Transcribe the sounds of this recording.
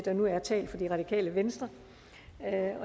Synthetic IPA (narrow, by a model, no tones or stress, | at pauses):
d̥ɑnuæɐt͡sʰɛ̰ːld̥fɒ̽d̥iʁɑ̈d̥ikʰɛ̰ːləʋensd̥ʁɐ | ɒ̽